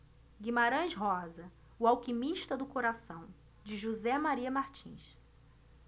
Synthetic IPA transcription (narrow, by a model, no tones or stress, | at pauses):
ɡimaɾɐ̃ʃɦɔzɐ | ʊawkimiʃt̪ɐd̪ʊkoɾasɐ̃w̃ | d͡ʒɪʒuzɛmaɾiɐmaɾt͡ʃḭ̃ʃ